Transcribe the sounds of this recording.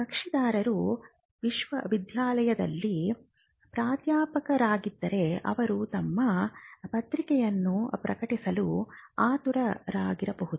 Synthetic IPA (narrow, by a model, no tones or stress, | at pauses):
ɐkʂid̪aːɾɐɾu | ʋiʃʋɐʋid̪ʱjaːlɐjɐd̪ɐ̰lːi | pɾaːt̪jaːpɐkɐɾaːɡid̪ːɐɾe̞ɐ̰ʋɐɾut̪ɐmːɐpɐt̪ɾikɛjɐnːupɾɐ̰kɐʈisɐluaːt̪uɾɐɾaːɡiɾɐbɐɦud̪u